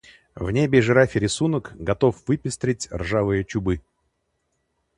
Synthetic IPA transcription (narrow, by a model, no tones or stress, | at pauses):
vnʲebʲɪʐɨɾafʲɪɾʲɪsunəkɡɐt̪o̞fvɨpʲɪst̪ɾʲɪtʲrʐavɨjət͡ɕʊbɨ